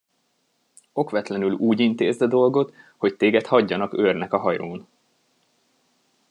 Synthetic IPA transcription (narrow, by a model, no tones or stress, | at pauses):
o̞kʋɛt̪lɛnyluːɟint̪ḛːzd̪ɒd̪o̞lɡo̞t̪ho̞ct̪eːɡɛt̪hɒɟːɒnɒkørnɛkɒɦɒjoːn